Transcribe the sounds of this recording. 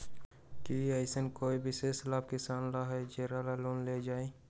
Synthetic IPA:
kiaːɪsənkoːibʱɪseːslaːbkɪsaːnɾaɦɛd͡ʒeːɾaːlaloːnleːd͡ʒaːĩː

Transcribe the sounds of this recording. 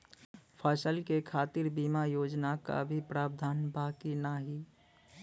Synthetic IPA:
pʰəsəlkekʰaːt̪ɪɾbiːmajoːd͡ʒnaka̰bʱipɾaːb̚d̪ʱaːnbaːkinaɦi

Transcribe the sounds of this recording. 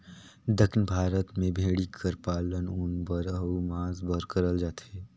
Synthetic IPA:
d̪əkʰnbʱaːɾət̪mẽbʱeːɽikʰəɾpaːlənʊnbəɾəmãːzbəɾkəɾəld͡ʒaːt̪ɛː

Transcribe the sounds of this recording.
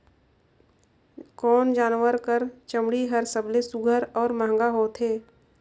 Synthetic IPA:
kɔːnd͡ʒaːnwəɾkəɾt͡ʃəmɽiɦəɾsəblesʊɡʱəɾɔːɾmãːŋ̆ɡaɦoːt̪ɦeː

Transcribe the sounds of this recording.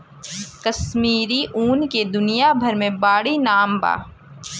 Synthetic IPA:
kɐsmiːɾiʔuːnked̪ʊnijabʱɐɾmẽbaːɽinaːmba̰ː

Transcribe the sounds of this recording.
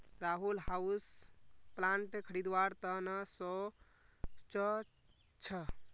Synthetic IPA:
ɾaɦulɦausplaɳʈkʰəɾid̪waɾt̪ənəsɔ | t͡ʃə | t͡ʃʰə

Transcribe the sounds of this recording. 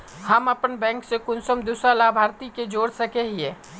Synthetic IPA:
həməpənbɛ̃ːŋksekʊnsəmd̪usɾalaːbʱaːɾt̪iked͡ʒoːɽsəkeɦiɛː

